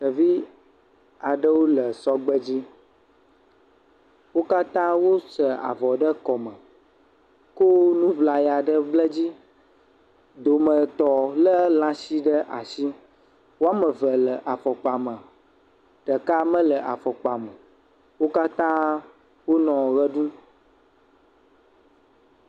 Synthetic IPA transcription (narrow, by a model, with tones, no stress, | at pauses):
tə˨vi˦ | a˨ɖə˦wo˦lə˨sɔ˦ɡ͡bə˦d͡ʑi˦ | wo˦ka˦t̪ã˦wo˦sə˨a̰˨vɔ˨ɖə˦kɔ˨mə˨ | ko˦nũ˦vla˨ja˨ɖə˦blə˦d͡ʑi˦ | d̪o˨mə̃˨t̪ɔ˨lə˦lã˦si˦ɖə˦ʔa˨si˦ | wo˦a˦mə̃˨və˨lə˨ʔa˨fɔ˨k͡pa˨mə˨ | ɖ̥ə˨ka˦mə̃˦lə˨ʔa˨fɔ˨k͡pa˨mə˨ | wo˦ka˦t̪ã˦ | wo˦nɔ̃˨ɣə˦ɖũ˦